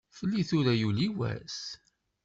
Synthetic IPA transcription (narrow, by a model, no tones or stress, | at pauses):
fəlːiθʊɾæjuliwæ̰s